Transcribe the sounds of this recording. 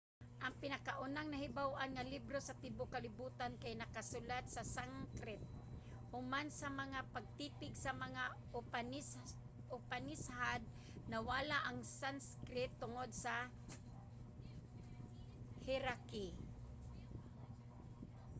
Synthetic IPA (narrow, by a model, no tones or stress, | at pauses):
ʔɐŋpɪnakaʔʊnaŋnɐɦɪbawʔanŋɐlibɾosɐt̪ɪbokalɪbuːt̪ankajnɐkasʊlat̪̚sasaŋkɾɪt̪̚ | hʊmansɐmɐŋapaɡ̚t̪iːpɪɡsɐmɐŋa | ʊn | ʊpanɪshad̪̚ | nɐwalaʔaŋsanskɾɪt̪ːʊŋod̪̚sa | hɪɾaki